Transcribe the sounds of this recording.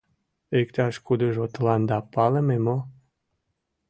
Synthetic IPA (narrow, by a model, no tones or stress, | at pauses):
ekt̪aʃkud̪əʒot̪land̪apalememo